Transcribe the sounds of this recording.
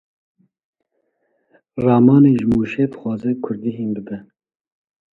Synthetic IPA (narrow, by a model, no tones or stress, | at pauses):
rɑːmɑːneːʒɪmuːʃeːbɨxʷɑːzɛkʰʊɾd̪iɦeːnbɨbɛ